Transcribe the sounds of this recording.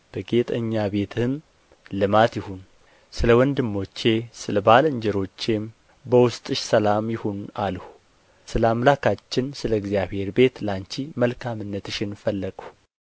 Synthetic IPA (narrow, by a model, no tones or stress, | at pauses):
b̥əɡe̞t̪ʼəɲːabe̞t̪ʰɨɨm | lɨmat̪jɪhun | sɨləwɔnd̪ɨmːo̞t͡ʃːe̞sɨləbalɨɲd͡ʒɛɾo̞t͡ʃːe̞m | bəwʊst̪ʼɨʃsəlamjɪhunalhu | sɨləamlakat͡ʃːɪnsɨləɡzjaβ̥he̞ɾbe̞t̪laɲt͡ʃiməlkʰamɨnːət̪ɨʃɪnfəlːəɡə